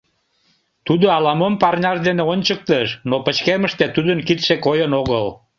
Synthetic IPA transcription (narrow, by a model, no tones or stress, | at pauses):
t̪ud̪oɑlɑməmpɑrnʲɑʃd̪eneonʲt͡ɕək̚t̪əʃnopət͡ɕkeməʃt̪et̪ud̪ənkit̪ʃekojənoɣəl